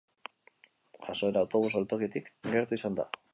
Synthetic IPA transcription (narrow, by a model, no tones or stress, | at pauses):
ʝaso̞eɾawt̪o̞β̞usolt̪o̞kit̪ikɡe̞ɾt̪uisand̪a̰